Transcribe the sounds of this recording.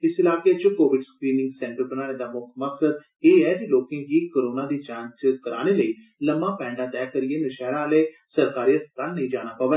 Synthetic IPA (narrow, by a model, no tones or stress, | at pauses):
ɪsɪlaːket͡ʃkoːʋɪɖskɾiːnɪ̃ŋɡsɛ̃ːɳʈəɾbənaːɽ̃eːd̪aːmʊkʰməksəd̪ | eːɛːd̪iloːkẽːkiːkəɾoːnaːd̪iːt͡ʃãːnskəɾaːñeːləiː | ləmãːpɛ̃ːɳɖaːt̪ɛːkəɾɪeːnəʃɛːɾãːleː | səɾkaːɾiət̪kannəĩːd͡ʒaːɽ̃aːpaːʋe